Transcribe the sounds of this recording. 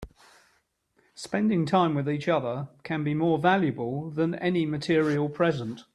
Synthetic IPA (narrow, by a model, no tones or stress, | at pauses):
spɛ̃ndɪ̃ŋtʰãɪ̃mwɪðiˑt͡ʃʌðəkʰə̃nbimɔːvaljəbəlˠðə̃nɛ̰nimətʰɪəɹiəlˠpʰɹ̥ɛzə̃nt